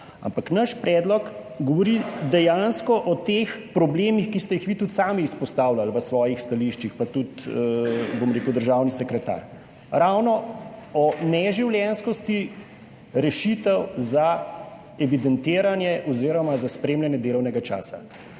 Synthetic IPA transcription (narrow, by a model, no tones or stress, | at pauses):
a̰mpaknaʃpɾɛːd̪lɔk | ɡɔʋɔɾid̪ɛjanskɔʔɔt̪expɾɔbleːmixkist̪ɛjixʋiːt̪ut̪saːmiːspɔst̪aːwlalʋəsʋɔːjixst̪aliʃt͡ʃixpat̪ut̪ | bomɾeːkwd̪əɾʒawnisɛkɾɛt̪a̰ːɾ | ɾawnɔɔnɛʒiwljɛnskɔst̪i | ɾɛʃit̪ɛwza | ɛʋid̪ɛnt̪eːɾanjɛʔɔziːɾɔmazaspɾeːmlʲjanjɛd̪eːlɔwnɛɡat͡ʃa̰ːsa̰